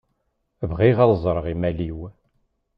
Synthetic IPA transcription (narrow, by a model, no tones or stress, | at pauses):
vʁiʁɑlˤzˤɾˤəʁimæliw